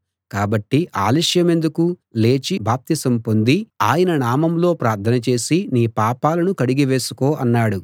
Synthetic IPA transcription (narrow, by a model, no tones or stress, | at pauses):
kaːbɐʈːiʔaːliʂjɐme̞nd̪ukule̞ːt͡ʃibʱaːp̚t̪isɐmpo̞nd̪iaːjɐnɐnaːmɐmlo̞ːpɾaːɾt̪ʰɐnɐt͡ʃe̞ːsiniːpaːpaːlɐnukɐɽiɡiʋe̞ːsu̥ko̞ːʔɐnːaːɽu